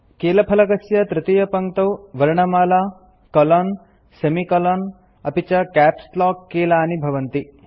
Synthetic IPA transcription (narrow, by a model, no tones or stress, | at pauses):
keːlɐpʰɐlɐkɐsjɐt̪ɾɪt̪ijɐpɐŋt̪ɐwʋɐɾɳɐmaːlaː | kɐlɔːn | semikɐlɔːn | ɐpit͡ʃɐkæːpslɔːkːeːlaːnibʱɐʋɐnt̪i